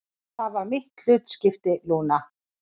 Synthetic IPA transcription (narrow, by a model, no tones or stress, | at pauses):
θaðvaɾmɪht̪l̥ʏt̪scɪft̪ɪluːna